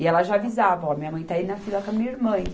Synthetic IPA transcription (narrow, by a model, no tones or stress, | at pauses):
ɪɛlɐʒavizavɐɔɐmĩɲɐmɐ̃j̃t̪ainɐfilɐkõɐmĩɲɐiɾmɐ̃j̃